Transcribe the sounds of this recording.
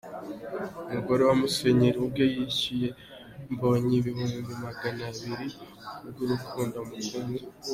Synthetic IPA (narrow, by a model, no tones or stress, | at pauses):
umuɡo̞ɾe̞wamuseɲiɾiub̚ɡojicije̞ | mbo̞ɲiβihuːmbimaɡanaβiɾi | bɡuɾukuːndamukumi